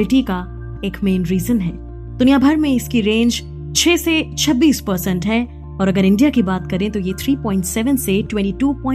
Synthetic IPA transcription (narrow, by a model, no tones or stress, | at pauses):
lɪʈika | eːkmẽːnɾiːzənɦɛː | d̪̥ʊnijaːbʱɐɾmẽɪskiɾẽːnd͡ʒ | t͡ʃʰeːset͡ʃʰɐbːiːspɐɾsɛ̃ɳʈɦɛː | ɔːɾɐɡəɾɪ̃ɳɖijakibaːt̪kɐɾẽt̪ojet̪ʰɾiːpɔ̃ːɪ̃ɳʈsɛʋə̃nseʈwɛ̃ɳʈiʈuːpɔ̃ːɪ̃